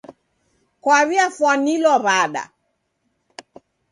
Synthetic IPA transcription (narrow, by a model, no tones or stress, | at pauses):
kwaβiafwanilɔβaɗa̰